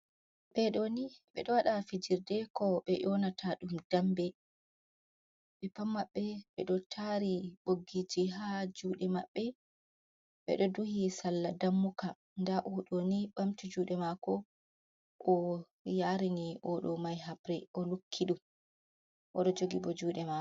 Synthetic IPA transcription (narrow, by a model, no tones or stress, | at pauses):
ɓɛɗoniɓɛ̰ɗɔwaɗafid͡ʒiɾdɛkɔɓɛʔɔnatʰaɗumdambɛ | ɓɛpamːaɓːɛɓɛɗɔtʰaɾiɓoɡid͡ʒiɦad͡ʒuːɗɛmaɓːɛ | ɓɛ̰ɗɔduhisalːadamːuka | ndaʔɔɗoniɓamtid͡ʒuːɗɛmakɔ | ʔɔ | jaɾiniʔɔɗɔmajɦapɾɛʔɔlukʰːiɗum | ʔɔɗɔd͡ʒoɡibɔd͡ʒuːɗɛma